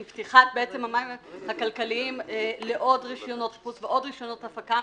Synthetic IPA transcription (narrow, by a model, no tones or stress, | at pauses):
mbt̪iχat̪̚beet͡semamahakalkaliimle̞ʔo̞dʁiʃjono̞t̪put͡sveʔo̞dʁiʃjono̞thafaka